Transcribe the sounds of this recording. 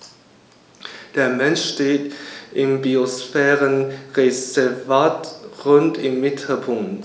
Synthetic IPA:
d̥eːɐmɛnʃʃteːtʔɪmbiosfɛːʁənʁezɛvaːtʁʊntɪmːɪtʰl̩pʰʊŋt

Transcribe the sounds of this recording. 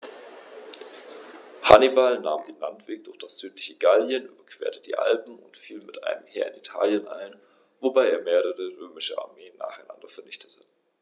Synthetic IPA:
ha̰nibalna̰ːmdeːnlantv̥eːk̚d̥ʊɐçd̥asz̥yːtlɪçəɡaljənʔy̰ːbɐkv̥ḛːɐtədḭːʔa̰lpm̩ʊ̰ntfiːlmɪtʔa̰ɪnəmhɛ̰ːɐɪnitʰa̰ːljənʔa̰ɪn | vobaɪeːɐmeːʁəʁəʁøːmɪʃəʔa̰ɐmeːna̰ːχaɪnʔa̰ndɐfɛɐnɪçtʰə̥tʰə̥

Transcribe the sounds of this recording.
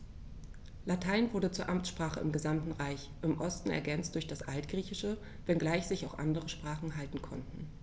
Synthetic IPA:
latʰaɪnvʊɐdət͡suːɐʔamt͡sʃpʁ̥aːχəɪmɡəzamtn̩ʁaɪç | ʔɪmʔɔstn̩ɛ̰ɐɡɛnt͡std̥ʊɐçd̥asʔaltɡ̥ʁiːçɪʃə | vɛnɡlaɪçz̥ɪçaʊxʔa̰ndəʁəʃpʁ̥aːχn̩ɦaltn̩kʰɔ̰ntn̩

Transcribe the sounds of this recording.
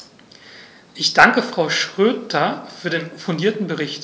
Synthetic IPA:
ʔɪçd̥aŋkəfʁ̥aʊʃʁ̥øːtʰɐfyːɐdeːnfʊndiːɐtn̩bəʁɪçt

